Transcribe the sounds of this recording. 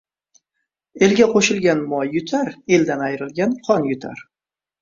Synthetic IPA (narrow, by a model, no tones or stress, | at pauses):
e̞lɡʲaqʰoʃɪlˠɡʲanmɒjːʊt̪ʰaɾe̞ld̪anajɾɪlɡʲanqʰɒnjʊt̪ʰa̰ɾ